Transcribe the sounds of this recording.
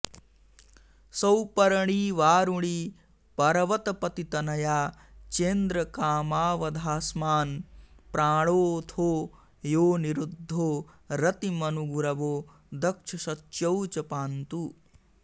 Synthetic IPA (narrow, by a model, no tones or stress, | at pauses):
sɐwpɐɾɐɳiʋaːɾuɳi | pɐɾɐʋɐt̪ɐpɐt̪it̪ɐnɐjaː | t͡ʃeːnd̪ɾɐkaːmaːʋɐd̪ʱaːsmaːnpɾaːɽoːt̪ʰoː | joːniɾud̪ʱːoː | ɾɐt̪imɐnuɡuɾɐʋoː | d̪ɐkʂʰɐʃɐt͡ʃːjɐwt͡ʃɐpaːnt̪u